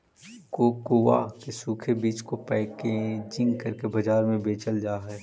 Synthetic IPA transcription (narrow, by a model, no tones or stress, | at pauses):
kokoːʋa̰kesuːkʰebiːt͡ʃkopɛːɪked͡ʒɪ̃ŋɡkɐɾkebɐd͡ʒaːɾmẽbeːt͡ʃəld͡ʒaːɦɛː